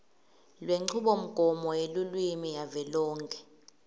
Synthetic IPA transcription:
lweŋ͡ǀʰuɓɔm̩ɡ̥ʱɔmɔelulwimijavɛlɔːŋkʼɛ̥

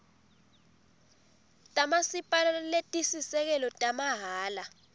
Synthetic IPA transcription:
tʼamasipʼalaletʼisisɛk̬ɛlɔtʼamaɦaːla

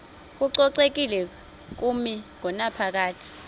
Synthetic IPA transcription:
k̬ʼuǀɔǀek̬ilɛ | k̬umiŋɔnapʰak̬aːtʰi̥

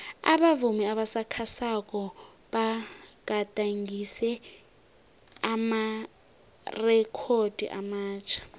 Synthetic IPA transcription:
a̰ɓavumɛaɓasakʰasak̬ʼɔ | ɓaɡ̥ʱatʼaŋɡisɛ | ama | rɛkʰod̥ʱḭʔa̰maːt͡ʃʰḁ

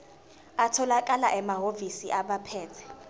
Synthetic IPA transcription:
atʰɔlakʼalaʔɛmaɦovisḭʔaɓapʰɛːtʰɛ̥

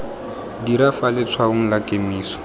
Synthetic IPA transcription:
diɾafalɪt͡sʰwaʊŋ̩lakʼemiːsɔ̥

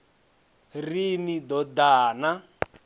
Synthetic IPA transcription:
rinid̪ɔd̪aːna

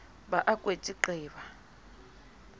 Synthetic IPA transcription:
baʔakʼwet͡ʃʼiǃɛːβa

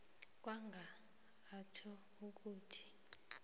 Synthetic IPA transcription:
k̬ʼwaŋɡʱaː | tʰɔ | uk̬uːtʰi̥

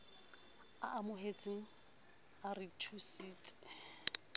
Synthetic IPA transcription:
aʔamʊɦet͡sʼɪŋ̩ | aritʰusiːt͡sʼɪ̥

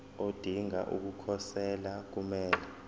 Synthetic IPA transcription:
od̥ʱiŋa̰ʔṵk̬ukʰɔsɛlak̬umɛːlɛ

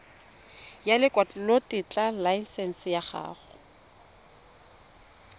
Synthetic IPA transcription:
jalɪkʼwat͡ɬlotɪt͡ɬʼalaisɛn̩sɪjaχa̰ːχʊ̥

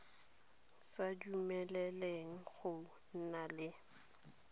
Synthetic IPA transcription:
sad͡ʒumɛlɛleŋ̩χʊ | n̩nalɪ

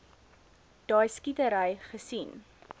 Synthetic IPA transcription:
d̥ɑːjskitəɾəjχəsin

